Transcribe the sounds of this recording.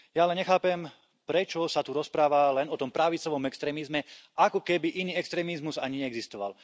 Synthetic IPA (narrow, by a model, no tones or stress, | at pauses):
jaalɛɲɛxaːpɛm | pɾɛt͡ʃɔsat̪uɾɔspɾaːʋalɛnɔt̪ɔmpɾaʋit͡sɔʋɔmɛkst̪ɾɛːmizmɛʔakɔkɛbiʔiniːɛkst̪ɾɛːmizmuzaɲiɛɛɡzist̪ɔʋa̰l